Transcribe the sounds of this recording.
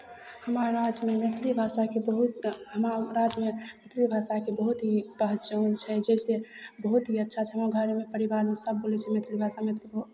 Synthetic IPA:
həmaɾːad͡ʒmemet̪ʰlibʱasakebəɦut̪ɦəmaɾad͡ʒmemet̪ʰlibʱasakebəɦut̪ɦipəɦt͡ʃənt͡ʃʰɛd͡ʒɛsebəɦut̪ɦiətːʃʰat͡ʃʰɛɦəmaɡʱəɾemepəɾibaɾmesəb̚ːolɛt͡ʃʰɛmet̪ʰlibʱasamet̪ʰlibʱ

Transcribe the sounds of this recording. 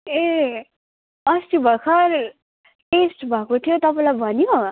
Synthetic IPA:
e | ʌst̪ibʱʌkʰʌɾ | ʈesʈbʱʌkot̪ʰijot̪ʌpãlajbʱʌnjo

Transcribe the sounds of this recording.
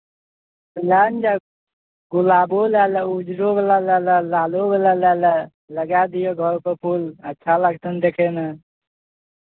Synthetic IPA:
bəlaːnd͡ʒa | ɡulaːbolaləud͡ʒɾobelalaləlaːlobelalalə | ləɡaːd̪ijoɡʱɔɾpəpʰulətːʃʰaləɡt̪ənd̪ekʰena

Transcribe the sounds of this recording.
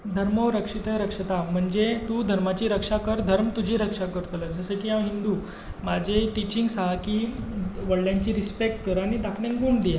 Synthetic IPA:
d̪ʱəɾməɾəkʂit̪əɾəkʂət̪am̤əɳd͡zet̪uːd̪ʱəɾmat͡ɕiːɾəkʂakəɾd̪ʱəɾmt̪ud͡ʑʱiːɾəkʂakəɾt̪ələd͡zəsekiamɦind̪uː | mad͡ʑʱeʈit͡ɕiŋɡsaɦakiːʋəɽljãɲt͡ɕiːɾispek̚ʈkəɾañid̪akʰlẽŋɡuːɳɖd̪ie

